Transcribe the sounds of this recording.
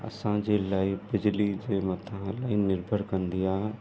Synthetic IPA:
ə̰sãd͡ʒelaːibɪd͡ʒlid͡ʒemət̪ʰãlaːinɪɾbʱəɾkənd̪ija

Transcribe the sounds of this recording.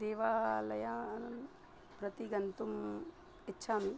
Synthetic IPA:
d̪eːʋaːlɐjaːɐnɐn | pɾɐt̪iɡɐnt̪um | itːʃʰaːmi

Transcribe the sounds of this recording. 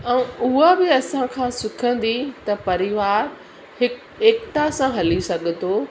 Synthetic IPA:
ɛ̃ʊɦabɪɐsãkʰãːsɪkʰə̃n̆d̪it̪ɐpɐɾɪʋaːɾ | hɪ | eːkʈ̪asãɦɐlisɐɡ̆ʱt̪oː

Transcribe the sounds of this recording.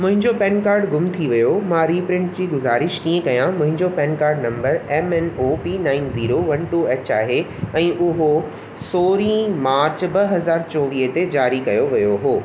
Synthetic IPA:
mʊ̃ɦɪ̃ɲd͡ʑopɛ̃ːnkaːɾɖɡʊmt̪ʰiʋɐjomãɾiːpɾɪ̃ɳʈd͡ʑiːɡʊzaːɾɪʃkiːẽkɐjãmʊ̃ɦɪ̃ɲd͡ʑopɛ̃ːnkaːɾɖnɐ̃mbəɾɛmɛnoːpiːnãːɪnziːɾoʋɐnʈuːeːt͡ɕaːɦe | ɛ̃ːʔʊɦo | soːɾĩːmaːɾt͡ɕbɐɦɐzaːɾt͡ɕɔːʋiːɦət̪ed͡ʑaːɾikɐjoʋɐjoɦoː

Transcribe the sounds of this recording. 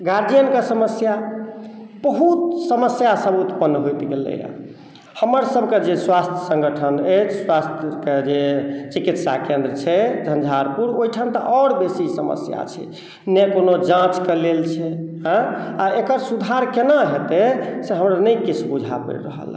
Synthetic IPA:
ɡaɾd͡ʒijənkesəməsja | b̥əɦut̪̚səməsjasəbut̪pənːɦojt̪ɡelḛja̰ | həməɾsəbʱked͡ʒeswast̪ʰjəsə̃ŋɡəʈʰənəet͡ʃʰswast̪ʰked͡ʒet͡ʃikit̪sa̰kẽnd̪ɾət͡ʃʰɛd͡ʒʱənd͡ʒʱaɾpuɾojʈʰant̪ə̰ʔɔɾbesisəmə̰sja̰t͡ʃʰɛ̰ | nekonod͡ʒãt͡ʃkelelt͡ʃʰɛ | ɦə̃aekəɾsud̪ʱaɾkenaɦet̪eseɦəmɾanəikit͡ʃʰbud͡ʒʱa̰pə̰ɾɾə̰ɦə̰l

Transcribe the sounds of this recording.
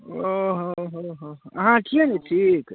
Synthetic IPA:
oɦoɦoɦoɐɦãʈʰineʈʰiːk

